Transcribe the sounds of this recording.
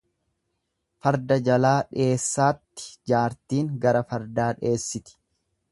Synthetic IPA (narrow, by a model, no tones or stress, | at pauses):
fɐɾd̪ɐd͡ʒɐlaːᶑe̞ːsːaːt̪ːɪ̥d͡ʒaːɾt̪iːŋɡɐɾɐfɐɾd̪aːᶑe̞ːsːɪt̪ɪ̥